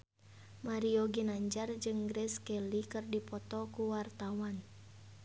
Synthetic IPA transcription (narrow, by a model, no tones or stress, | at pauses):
maɾioɡinaɲd͡ʒard͡ʒɨŋɡɾɛskɛlikɨrdipɔt̪ɔkuwart̪awan